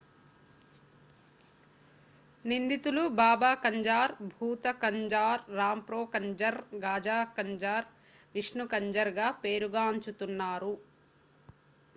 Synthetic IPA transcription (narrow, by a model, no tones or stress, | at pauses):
nind̪it̪ulubaːbaːkɐɲd͡ʒaːɾbʱuːt̪ɐkɐɲd͡ʒaːɾːaːmpɾoːkɐɲd͡ʒɐɾɡaːd͡ʒaːkɐɲd͡ʒaːɾ | ʋiʂɳukɐɲd͡ʒɐɾɡaːpe̞ːɾuɡaːɐɲt͡ʃut̪unːaːɾu